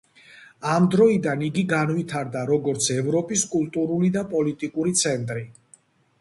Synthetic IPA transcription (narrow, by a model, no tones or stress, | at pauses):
amd̪ɾɔid̪aniɡiɡanvit̪ʰaɾd̪aɾɔɡɔɾt̪sʰɛvɾɔpʼiskʼulˠt̪ʼuɾulid̪apʼɔlit̪ʼikʼuɾit̪sʰɛnt̪ʼɾi